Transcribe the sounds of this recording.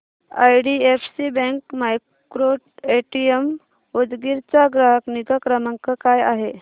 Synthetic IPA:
a̰jɽiefsibɛ̃ŋkmaj | kɾoʈeʈiem | od͡zɡiɾt͡saɡɾəɦəkniɡəkɾəməŋkəkajaɦe

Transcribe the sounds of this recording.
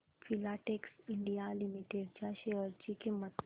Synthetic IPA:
fʰilaʈeksiɳɖijalimiʈeɖt͡ʃaʃeəɾd͡ʑikimːət̪

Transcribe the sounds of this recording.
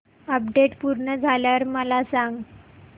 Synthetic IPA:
əp̚ɖeʈpuɾɳəd͡zʱaljaɾməlasãŋɡ

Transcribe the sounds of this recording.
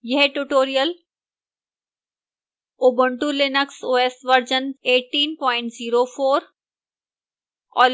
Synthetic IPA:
jɐɦʈuʈoːɾijəl | oːbə̃ɳʈulɪnəksoːeːsʋɐɾd͡ʒəneːʈːiːnpɔːɪ̃ɳʈziːɾofʰoːɾ | ɔ̰ː

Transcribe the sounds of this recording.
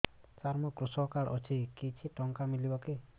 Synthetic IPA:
saɾmɔkɾusɔkaɭʔɔt͡ʃʰikit͡ʃʰiʈɔŋkamilibɔki

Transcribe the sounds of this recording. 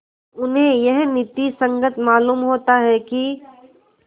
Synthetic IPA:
ʊnɦẽjɛɦnɪt̪ːisə̃ŋɡət̪maːluːmɦoːt̪aɦɛki

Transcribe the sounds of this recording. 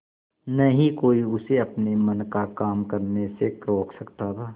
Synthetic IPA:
nɐɦĩkoːiʊseɐpnemɐnkakaːmkɐɾnesekɾoːkʰsɐkt̪at̪ʰaː

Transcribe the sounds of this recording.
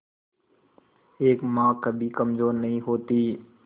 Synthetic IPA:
eːkmãːkəbʱikɐmzoːɾnɐɦĩɦoːt̪iː

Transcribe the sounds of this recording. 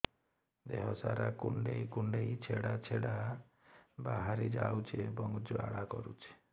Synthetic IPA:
d̪eɦɔsaɾakuɳɖeikuɳɖeit͡ʃʰeɽat͡ʃʰeɽa | baɦaɾid͡ʒawt͡ʃʰiebɔŋd͡ʒua̰ɽakɔɾut͡ʃʰi̥

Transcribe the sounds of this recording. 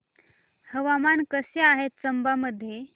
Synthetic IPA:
həʋamankəseaɦet̪̚t͡səmbaməd̪ʱːje

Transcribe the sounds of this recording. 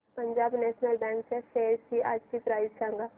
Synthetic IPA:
pɐ̃ɲd͡ʒaːbnɛːʃnəlbɛ̃ːŋkseseːsʈia̰ːd͡ʒkipɾaːɪzʃaːŋɡa

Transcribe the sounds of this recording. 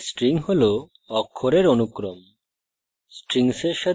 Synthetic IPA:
sʈɾiŋɦolo | ɔkʰːoɾeɾonukɾom | sʈɾiŋseɾʃa

